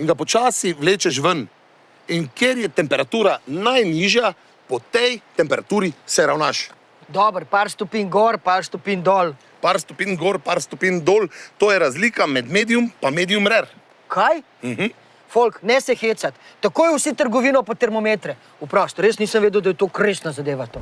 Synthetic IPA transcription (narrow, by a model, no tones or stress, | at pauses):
iŋɡapɔt͡ʃaːsiʋleːt͡ʃɛʃʋən | inkjeɾjɛt̪ɛmpɛɾat̪uːɾanajniːʒja | pɔt̪ɛjt̪ɛmpɛɾat̪uːɾisɛɾawnaːʃ | d̪ɔːbəɾpaɾst̪ɔpiːnɡɔɾpaɾst̪ɔpiːnd̪ɔːl | paɾst̪ɔpiːnɡɔːɾpaːɾst̪ɔpiːnd̪oːlt̪oːjɛɾazlikamɛd̪meːd̪iumpameːd̪iumɾɛɾ | kʰaj̩ | ɦ̩ | folknɛsɛxeːsat̪ːakoːjɛwsit̪əɾɡɔʋiːnɔpɔt̪ɛɾmɔmeːt̪ɾɛ | upɾɔst̪ɔɾjesniːsəmʋeːd̪əwd̪ajɛt̪oːkɾeːsnazad̪eːʋat̪o